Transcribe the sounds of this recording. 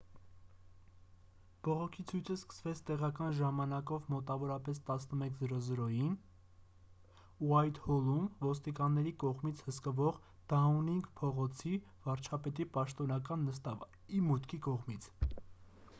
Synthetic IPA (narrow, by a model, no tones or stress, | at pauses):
b̥ɔʁɔkʰit͡sʰujt͡sʰəskə̥svɛt͡sʰt̪ɛʁɑkɑnʒɑmɑnɑkɔvmɔt̪ɑvɔɾɑpɛst̪ɑsnəmɛkʰzəɾɔzəɾɔjin | uɑjt̪hɔlumvɔst̪ikɑnːɛɾikɔʁmit͡sʰhəskəvɔʁ | d̪̥ɑuniŋɡpʰɔʁɔt͡sʰi | vɑɾt͡ʃʰɑpɛt̪ipɑʃt̪ɔnɑk̬ɑnːəst̪ɑv | imut̪kʰikɔʁmit͡sʰ